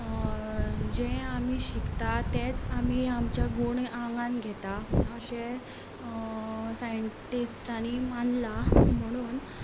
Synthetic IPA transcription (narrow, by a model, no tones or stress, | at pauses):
d͡ʑẽam̤iɕikt̪at̪et͡samiamt͡ɕjaɡoɳãŋɡãnɡʱɛt̪aəɕe | sajəɳʈisʈañimanlam̤əɽ̃uːn